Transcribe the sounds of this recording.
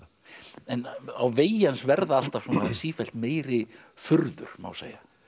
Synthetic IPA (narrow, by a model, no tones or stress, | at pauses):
ɛnawveːjansvɛɾðaal̥t̪av̥fsɔnasiːfɛl̥t̪meːjɾɪ | fʏɾðʏ̰ɾ̥ma̰wsḛːja